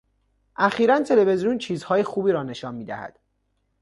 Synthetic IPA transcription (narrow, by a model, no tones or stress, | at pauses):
ʔæxiːɾænt̪ʰe̞le̞ve̞zijunt͡ʃʰiːzhɒːjexuːbiːɾɒːne̞ʃɒːnmiːd̪æhæ̰d̪̥